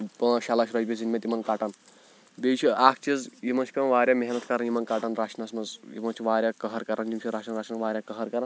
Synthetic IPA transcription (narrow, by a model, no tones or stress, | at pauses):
ʃalaːʃɾɐd͡ʒbʲiezinmʲet̪ʲimɐnkaʈan | bet͡ʃʰiʔaːkʰt͡ʃizjimɐnt͡ʃʰi̥kɐnʋaːɾʲjameɦnɐt̪ʰkɐɾanjimɐnkaʈanɾaːt͡ʃʰnɐsmɐzjḭmɐnt͡ʃʰiʋaːɾʲjakɐɦɐɾkɐɾʔand͡ʒimt͡ʃʲʰiɾaːt͡ʃʰnɐnɾaːt͡ʃnɐnʋaːɾʲjakɐɦɐɾkɐɾan